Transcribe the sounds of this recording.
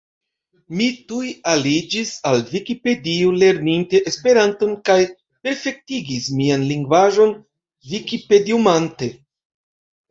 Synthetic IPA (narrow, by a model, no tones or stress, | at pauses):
mitujalid͡ʒisalvikipe̞diule̞ɾninte̞ʔespe̞ɾanto̞nkaj | pe̞ɾfe̞k̚tiɡismianliŋɡvaʒo̞n | vikipe̞diumante̞